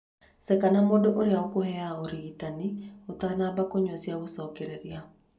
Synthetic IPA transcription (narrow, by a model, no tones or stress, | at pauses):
sɛkanamodoʔoɾeaɔkohɛaoɾiitaniot̪anabakoɲwɔsjaɣosɔkeɾɛɾja